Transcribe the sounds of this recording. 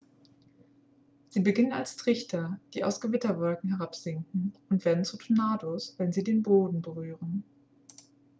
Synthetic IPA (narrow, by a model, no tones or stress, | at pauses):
z̥iːbəɡɪnəna̰lstʁ̥ɪçtʰɐd̥iːa̰ʊsɡ̥əvɪtɐvɔlkŋ̩ɦɛʁapz̥ɪŋkŋ̩ʊntv̥eːɐdn̩t͡sutʰonaːdosv̥ɛnziːdeːnboːdn̩bəʁyːʁən